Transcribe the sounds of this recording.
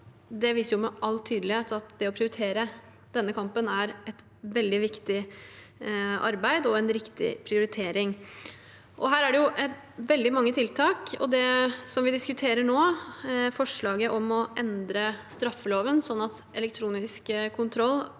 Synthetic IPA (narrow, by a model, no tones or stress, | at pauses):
d̪ɛʋiːsəɾjʊmɛʔɑlːt̪ʰyːd̪lɪheːt̪ɑt̪d̪ɛɔpʰɾɪʊɾɪt̪ʰeːɾə | d̪̥ɛnːəkʰɑmpənæɾɛt̪ | ʋɛld̪ɪʋɪkt̪ɪ | ʔɑ̰ɾbæɪd̪ɔɛnɾɪkt̪ɪ̰pʰɾɪʊɾɪt̪ʰeːɾɪŋ | ʔɔɦæːɾæɖɛjʊʔ̪ | ʋɛld̪ɪmɑŋːət̪ʰɪlt̪ʰɑːkɔ̰d̪ɛsɔmʋɪd̪ɪskʉt̪ʰeːɾəɳoːfɔʂɭɑːɡəʔɔmɔʔɛnd̪ɾəst̪ɾɑfːəloːʋənsɔnːɑt̪ | ɛlɛk̚t̪ʰɾuːnɪskkʰːʊnt̪ʰɾɔlː